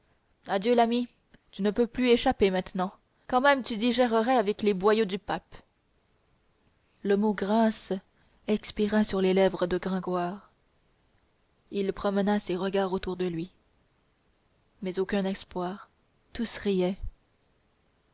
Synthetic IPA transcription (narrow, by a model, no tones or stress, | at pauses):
ad̪jølami | t̪ynəpøplyeʃapemɛ̃t̪nɑ̃ | kɑ̃mɛmt̪yd̪iʒɛʁəʁɛavɛklebwajod̪ypap | ləmoɡʁas | ɛkspiʁasyʁlelɛvʁəd̪əɡʁɛ̃ɡwaːʁ | ilpχɔmənaseʁəɡaʁot̪uʁd̪əlɥi | mɛzokʲɛ̃nɛspwaːʁ | t̪usʁijɛ